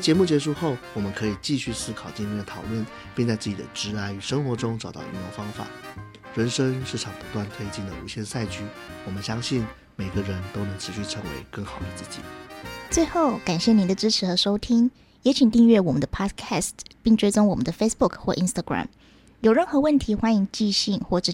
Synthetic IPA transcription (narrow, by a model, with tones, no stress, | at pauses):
t͡ɕjɛ˧˥mu˥˩t͡ɕjɛ˧˥ʂ̬u˥˧xo˥˩ʊwɔ˨˩mə˦nkʰɤ˧˥i˨˩t͡ɕi˥˧ɕy˥˩sɹ̩˥kʰɑ˨˩ʊt͡ɕi˥nɛ˥˧d̪ə˩t̪ʰɑ˨˩ʊlwə˥˩n | pi˥˧ŋt͡sa˥˧ɪt͡sɹ̩˥˩t͡ɕi˨˩ə̰˦ʈ͡ʂɻ̩˧˥a˧˥ɪy˨˩ʂə˥ŋxwɔ˧˥ʈ͡ʂʊ˥ŋʈ͡ʂɑ˨˩ʊt̪ɑ̰˥˩ḭ˧˥jfɑ˥ŋfa̰˨˩˦ | ɻə˧˥nʂə˥ŋʂɻ̩˥˩ʈ͡ʂʰɑ˨˩ŋpu˧˥t̪wa˥˩nt̪ʰe˥ɪt͡ɕi˥˩ŋd̪ə˨u˧˥ɕjɛ˥˧nsa˥˩ɪt͡ɕʰy˥ | wɔ˨˩mə˦nɕjɑ˥ŋɕi˥˩ŋ | me˨˩ɪɡə˦ɻə˧˥nt̪o˥ʊnɤ˧˥ŋʈ͡ʂʰɻ̩˧˥ɕy˥˩ʈ͡ʂʰə˧˥ŋwḛ˧˥ɪkə˥˩ŋxɑ˨˩ʊd̪ə˦t͡sɹ̩˥˩t͡ɕḭ˨˩˦t͡swe˥˧ɪxo˥˩ʊka˨˩nɕjɛ˥˩ni˧˥nd̪ə˧ʈ͡ʂɻ̩˥ʈ͡ʂʰɻ̩˧˥xɤ˧˥ʂo˥ʊt̪ʰi˥ŋ | jɛ˧˥t͡ɕʰi˨˩nt̪i˥˧ŋɥɛ˥˩wɔ˨˩mə˦nd̪ə˧pʰɑ˥dkʰæ˥˩st̪pi˥˩ŋʈ͡ʂwe˥ɪt͡sʊ˥ŋwɔ˨˩mə˦nd̪ə˧fe˥ɪsbu˥˩kʰxwɔ˥˩ʔi˥nst̪a˥˧ɡɹa̰˨˩m | jo˨˩ʊɻə˥˩nxɤ˧˥wə˥˩nt̪ʰi˧˥xwa˥ni˧˥ŋt͡ɕi˥˧ɕi˥˧ŋxwɔ˥˩ʈ͡ʂɻ̩˥˩